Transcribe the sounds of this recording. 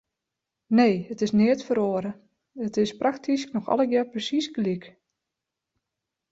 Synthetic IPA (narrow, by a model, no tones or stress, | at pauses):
neːətɪsnɪətfəɾoəɾə | ətɪspraktʰisknɔxɔ̰lˠəɡjɛprəsisɡlik